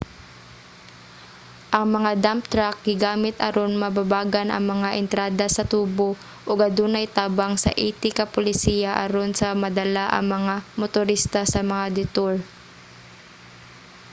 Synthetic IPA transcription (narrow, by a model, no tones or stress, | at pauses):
ʔɐŋmɐŋad̪ampt̪ɾak̚ɡɪɡaːmɪt̪ɐɾonmɐbabaːɡɐnʔɐ̰ŋmɐŋaʔɪnt̪ɾaːd̪ɐsɐt̪uːbo | ʔoɡɐd̪uːnɐjt̪aːbaŋsɐ̰ʔiːt̪ɪkɐpʊlɪsiːjaʔɐ̰ɾonsɐmɐd̪ɐlaʔɐ̰ŋmɐŋamot̪ʊɾist̪asɐmɐŋad̪ɪt̪oɹ